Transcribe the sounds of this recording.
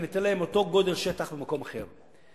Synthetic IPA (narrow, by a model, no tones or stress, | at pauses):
nit̪enlaemo̞t̪o̞ɡo̞d̪elʃet̪aχbemako̞maχḛʁ